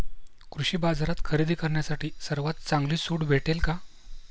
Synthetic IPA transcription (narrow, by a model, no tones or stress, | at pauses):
kɾuɕiːbad͡zaɾat̪kʰəɾid̪iːkəɾɳjasaʈiːsəɾʋat̪̚t͡saŋɡliːsuːɽbʱeʈelka